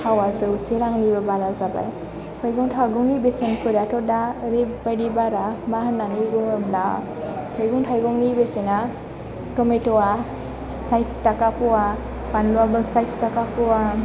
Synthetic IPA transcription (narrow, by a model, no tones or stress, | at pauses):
tʰawazɯwseɾaŋlibɯbalazaba̰j | hɔjɡɔŋtʰaɡɔŋnibesenkʰɯɾatɔdaɾebːaɖibaɾabaɦɯnanɯɡɔŋɯbla̰ | hɔjɡɔŋtʰajɡɔŋnibesena | tɔmetɔwa | sajtːakapɔwa | panlɔabɯsajtːakapɔwa